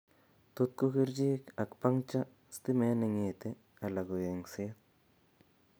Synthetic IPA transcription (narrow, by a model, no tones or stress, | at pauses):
t̪ut̪̚kukiɾd͡ʒiːkakpaŋt͡ʃa | st̪imeneŋit̪e | alaɡujeŋsiat̪̚